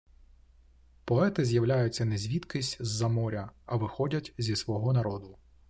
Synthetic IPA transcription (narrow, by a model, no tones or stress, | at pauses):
pɔɛt̪ɪzʲjɐwlʲajʊt͡sʲːɐnɛzʲʋʲit̪kɪsʲzːɐmɔɾʲɐɐʋɪxɔdʲɐtʲzʲisʋɔɦɔnɐɾɔd̪ʊ